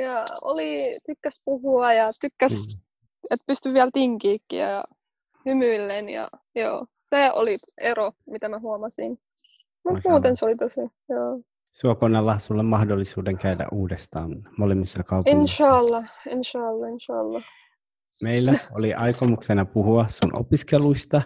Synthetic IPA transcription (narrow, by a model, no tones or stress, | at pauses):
jɑo̰lit̪ykːæspuhuɑjɑt̪ykːæs | et̪̚pyst̪yʋʋiælt̪iŋkiːkːḭɑ̰jɑ̰ | hymyilːenjɑ̰ | jo̰ː | seːo̰lieromit̪æmæhuɑmɑsin | mut̪muːt̪ensolit̪osi | joː | suokonːɑlːɑsulːemmɑhdolːisuːdeŋkæydæ̰ʔuːdest̪ɑ̰ːnmolemːisːɑkɑupenʃɑlːɑenʃɑːlːɑenʃɑːlːɑ | meilːæoliʔɑjkomuksenɑpuhuɑssunʔo̰piskeluist̪ɑ